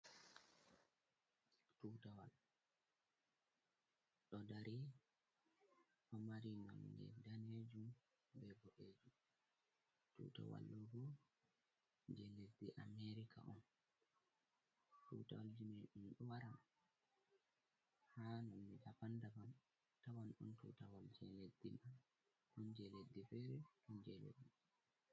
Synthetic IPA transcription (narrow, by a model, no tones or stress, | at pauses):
tutawa̰l | ɗɔdaɾi | ʔɔmaɾinɔ̰nːɛ̰daned͡ʒum | bɛbɔʔeːd͡ʒu | tṵːta̰wa̰lːɔɡɔ | nd͡ʒɛlesdiʔameɾikʰa̰ʔɔn | tutawald͡ʒinɛɗumɗɔwaɾa | hanɔnːidafandaban | tawanɗɔntṵːtawald͡ʒɛledːiman | ʔɔnd͡ʒɛledːifɛɾɛʔɔnd͡ʒɛlḛdːi